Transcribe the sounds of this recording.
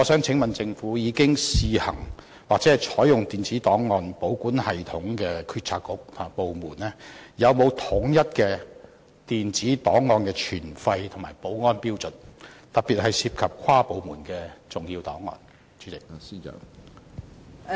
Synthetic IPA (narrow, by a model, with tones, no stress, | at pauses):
ɔː˨˧sœː˨˥ŋt͡sʰɪ˨˥ŋmɐ˨nt͡sɪ˧ŋfuː˨˥jiː˨˧kɪ˥ŋsiː˨˧hɐ̰˨˩ŋ | waː˨k̚t͡sɛː˨˥hɐ˨jt͡ʃʰɔː˨˥jʊ˨ŋt̪iː˨nt͡siː˨˥t̪ɔː˨˥ŋːɔː˨˧npo˨˥wkuː˨˥nhɐ˨˩jt̪ʰʊ˨˥ŋkɛː˧kʰyː˧t̚t͡sʰaː˧kːʊ˨˥k̚t̪ʰʊ˨˩maː˨˩po˨wmuː˨˩nɛː˥jɐ˨˧wmo˨˧wt̪ʰʊ˨˥ŋjɐ˥t̚kɛː˧ | t̪iː˨nt͡siː˨˥t̪ɔː˨˥ŋːɔː˧nkɛː˧t͡ʃʰyː˨˩nfɐ˧jt̪ʰʊ˨˩ŋmaː˨˩jpo˨˥wŋɔː˥npiː˥wt͡sɵ˨nt̪ɐ˨k̚piː˨t̚hɐ˨jsiː˧p̚kʰɐ˨p̚kʰaː˥po˨˧wmuː˨˩nkɛː˧t͡sʊ˨ŋjiː˧wt̪ɔ̰ː˨˥ŋːɔ̰ː˧n | t͡ʃʰy˨˥t͡sɪ˨k̚ː